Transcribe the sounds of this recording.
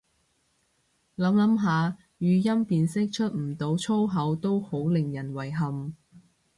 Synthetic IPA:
lɐ˨˥mlɐ˨˥mɦaː˨˧ | jyː˨˧jɐ˥mpiː˨nsɪ˥k̚t͡ʃʰɵ˥t̚m̩˨˩t̪o˨˧wt͡ʃʰo˥wɦɐ˨˥wt̪o˥who˨˥wlɪ˨ŋjɐ˨˩nwɐ˨˩jɦɐ˨˩m

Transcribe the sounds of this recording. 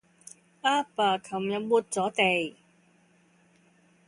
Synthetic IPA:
ʔaː˥paː˨˩kʰɐ˨˩mjɐ˨˩muː˨˩t̚t͡sɔː˨˥t̪e˨˩j

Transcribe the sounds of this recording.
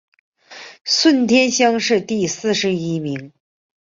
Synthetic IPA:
swə˥˧˩nt̪ʰjɛ˥nɕjɑ˥ŋʂɻ̩˥˧t̪i˥˧sɹ̩˥˩ʂɻ̩˧˥i˧˥mi˧˥ŋ

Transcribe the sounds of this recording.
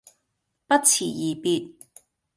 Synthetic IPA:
pɐ˥t̚t͡sʰḭː˨˩jiː˨˩pi˧t̚

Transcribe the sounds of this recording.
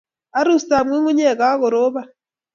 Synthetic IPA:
a˨˦ɾu˦˨sta˨mwe˦ŋu˦ɲe˦˨ɣa˦ɣo˨ɾo˦βa˦˨

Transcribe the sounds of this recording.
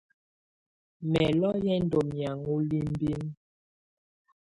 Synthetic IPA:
mɛ˨lɔ˦jɛ˦n̩˦do˨mja˨ŋu˦li˦m˦bi˦n

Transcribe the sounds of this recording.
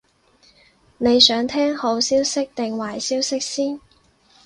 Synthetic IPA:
ne˨˧jsœː˨˥ŋt̪ʰɛː˥ŋho˨˥wsiː˥wsɪ˥k̚t̪ɪ˨ŋwaː˨˩jsiː˥wsɪ˥k̚siː˥n

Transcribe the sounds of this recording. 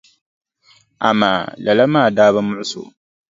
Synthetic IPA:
a̰˨ma̰ː˨lɐ˨la˦maː˦˨daː˦βa˦mʊ˦ʕʊ˦so̰˨

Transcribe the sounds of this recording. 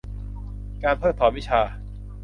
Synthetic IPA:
kaː˧npʰɤː˥˩t̪ʰːɔː˩˦nwi˦˥t͡ɕʰaː˧

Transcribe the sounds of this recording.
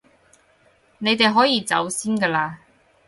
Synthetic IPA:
ne˨˧jt̪e˨jɦɔː˨˥jiː˨˧t͡sɐ̰˨˥wsiː˥nkəː˧laː˧

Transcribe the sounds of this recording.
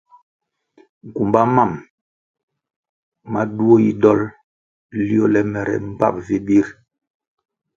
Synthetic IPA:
ŋ̩˨ku˨mba˦ma˦˨m | ma˦du˦o˦ji˦dɔ˦l | li˦o˦lɛ˦mɛ˨ɾɛ̰˨m̩˦˨pa̰˦˨p̚vi˦bi˦ɾ

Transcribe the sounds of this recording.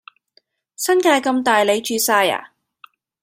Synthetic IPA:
sɐ˥nkaː˧jkɐ˧mt̪aː˨jle˨˧jt͡ʃyː˧saː˧ja̰ː˨˩

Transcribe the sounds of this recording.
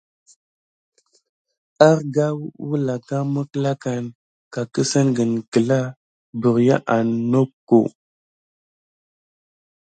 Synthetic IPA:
a˦ɾɡa˦wu˦la˨ka˦mə˦kla˦ka˨n | ka˨kə˦sə˦nɡə˨nkə˨la˦ | bə˨ɾja̰˦ʔa˨no˦kːo̰˨

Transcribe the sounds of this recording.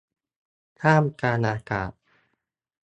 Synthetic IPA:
t̪ʰaː˥˩mkaː˧nʔaː˧ka̰ː˨˩t̪̚

